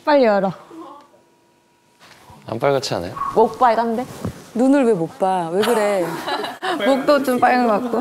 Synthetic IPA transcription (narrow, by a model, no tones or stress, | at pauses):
p͈aʎːʌɾʌ | a̰mp͈aɭɡat͡ɕʰia̰nḛjomok̚p͈aiɡanndenunɯɭwemop͈aweɡɯɾe | mok̚t͈ot͡ɕ͈omp͈ajɡɯnɡʌkak̚k͈o